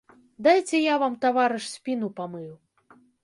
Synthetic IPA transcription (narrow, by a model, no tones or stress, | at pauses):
d̪ajt͡sʲɛjavamt̪avaɾɨʂsʲpʲinupamɨjuw